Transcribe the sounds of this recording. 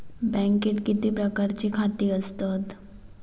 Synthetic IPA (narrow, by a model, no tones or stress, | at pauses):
bɛ̃ŋkeʈkit̪ipɾəkaɾt͡ɕikʰat̪iːəst̪at̪